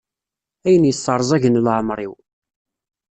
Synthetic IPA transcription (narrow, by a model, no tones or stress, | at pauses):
æjənjəsˤːəɾˤzˤæʝənlʕmɾˤḭw